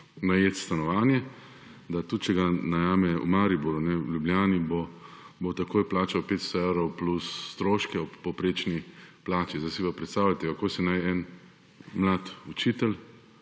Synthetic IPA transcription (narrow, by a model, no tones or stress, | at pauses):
najeːt̪st̪anɔʋaːnjɛ | d̪at̪ut̪̚t͡ʃɛɡanajaːmɛṵmaːɾibuɾunɛljubljaːnibo | bot̪akoːjplaːt͡ʃawpeːt̪st̪ɔewɾɔwplusːt̪ɾoːʃkɛɔpːɔpɾeːt͡ʃniplaːt͡ʃizdajsiʋapɾɛt̪st̪aːwlat̪ɛɔkoːsinajɛn | mlaːt̪ut͡ʃiːt̪ɛl